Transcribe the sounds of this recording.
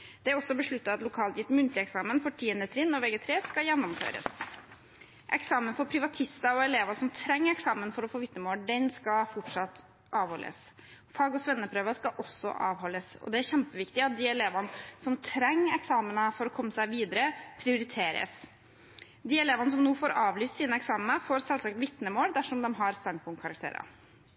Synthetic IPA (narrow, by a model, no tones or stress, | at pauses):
d̪̥ɛæɾɔsːɔbəʂɭʉt̪ːəɑɑt̪lʊkʰɑːlt̪jɪt̪ːmʉnt̪lɪɛksɑːmənfɔʈʰiːənət̪ʰɾɪnːɔʋɛɡət̪ʰɾeːskɑjɛnːɔmfø̰ːɾə̰s | ʔɛ̰ksɑːmənfɔɾpʰɾɪʋɑt̪ʰɪst̪ɑɔɛleːʋɑsɔmt̪ʰɾɛŋːɾɛksɑːmənfɔɾɔfoːʋɪt̪nəmoːɖɛnskɑfɔʈʂɑt̪ː | ʔɑːʋhɔlʔə̰s | fɑːɡɔsʋɛnːəpʰɾøːʋəskɑʔɔsːɔ̰ʔɑ̰ːʋɦɔlːəsɔ̰d̪ɛæɾçɛmpəʋɪkt̪ɪɑt̪̚d̪iɛleːʋɑnsɔmt̪ʰɾɛŋːɛksɑːmənəfɔɾɔkʰɔmːəsæɪʋiːd̪əɾəpʰɾɪʊɾɪt̪ʰeːɾə̰s | d̪iɛleːʋɑnəsɔmnuːfoːɾɑːʋlyːst̪siːnəɛksɑːmənəfoːɾsɛlsɑːk̚t̪ʋɪt̪nəmoːld̪æʂɔmd̪ɛmɦɑɾst̪ɑnɡ̪̚pʰʊŋkʰɑɾɑk̚t̪ʰḛːɾɑ̰